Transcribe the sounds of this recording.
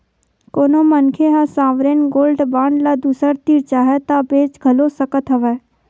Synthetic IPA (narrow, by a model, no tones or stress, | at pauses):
koːnomənkʰeɦãsaːʋɾeːnɡoːlɖbãːɳɖlad̪uːsəɾt̪iɾt͡ʃaːɦɛt̪abeːt͡ʃɡʱɐlosəkət̪ɦəʋɛː